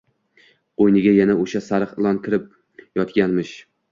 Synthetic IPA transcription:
qojnɪɡʲajanaoʃasaɾɨqɨlˠɒnkʲʰɪɾɪp̚ | jɒt̪ɡʲanmɪʃ

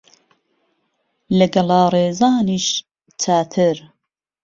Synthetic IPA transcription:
lɐɡɐlɑːreːzɑːniːʃ | t͡sʰaːt̪ʰɨɾ

